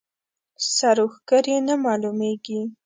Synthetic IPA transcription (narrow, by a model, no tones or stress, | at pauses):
saɾuxɡəɾinamɑlumeɡi